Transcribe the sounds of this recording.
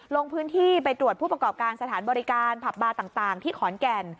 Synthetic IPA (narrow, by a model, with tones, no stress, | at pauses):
lo˧ŋpʰɯː˦˥nt̪ʰiː˥˩pa˧jt̪ɾu˨˩ət̪̚ʰuː˥˩pɾa˧kɔː˨˩p̚kaː˧nsa˧t̪ʰaː˩˦nbɔː˧ɾi˦˥kaː˧npʰa˨˩p̚baː˧t̪aː˨˩ŋt̪aː˨˩ŋt̪ʰiː˥˩kʰɔː˩˦nkɛ˧n